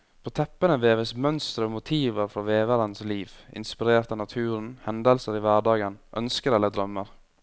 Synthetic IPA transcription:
pʰoːt̪ʰɛpːənəʋeːʋəsmœnst̪ɾəoːmʊt̪ʰiːʋəɾfɔʋeːʋəɾənsliːʋʔɪ̰nspɪɾeːɾt̪ɑnɑt̪ʰʉːɾn̩hɛnd̪əlsəɾiːʋæɖɑːɡənʔœ̰nskəɾɛləd̪ɾœməɾ

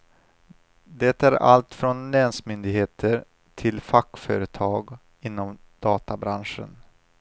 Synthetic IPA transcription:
d̪ɛt̪æɾa̰lt̪fɾɔnlɛnsmʏnd̪ɪɡheːt̪ʰəɾ | tʰɪlfakːfœːɾət̪ʰɑːɡ | ɪnːɔm | d̪̥ɑːt̪abɾanʂə̰n

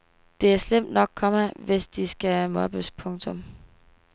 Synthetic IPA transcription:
d̥e̝æɐslem̰d̥nɒ̽ɡ̥̚kʰɒ̽mæʋe̝sd̥isɡ̥æmɒ̽b̥əspʰɔ̽ŋt͡sʰɔ̽m

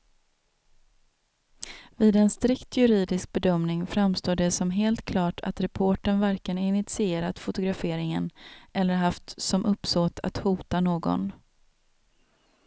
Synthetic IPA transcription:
viːd̪ɛnst̪ɾɪkt̪ʰjɵɾiːd̪ɪsk̚bɛd̪œmnɪŋfɾamst̪oːɖɛsɔmɦeːlt̪kʰlɑːʈʰa̰t̪ɾɛpʰoːʈəɳvæɾkənɪnɪt̪sɪeːɾat̪fʊt̪ʊɡɾafeːɾɪŋənʔɛlːəɾɦaft̪sɔmʔɵpːsoːt̪ʰa̰t̪huːt̪anoːɡɔ̰n

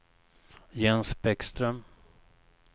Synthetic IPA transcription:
jɛnsbɛkst̪ɾœm

